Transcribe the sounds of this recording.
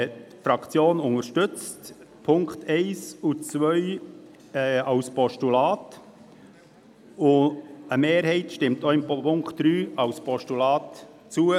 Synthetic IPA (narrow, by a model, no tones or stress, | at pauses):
fɾɑkt͡sjoːnʊŋəɾʃtʏt͡st | pʰʊŋktʰɛɪsut͡svœʏ | ɑwspɔʃtulɑːt | ʊəmeːɾhɛɪtʃtɪmtoɪmppʰʊŋkt̚d̥ɾyːɑwspʰɔʃtulɑːt | t͡suə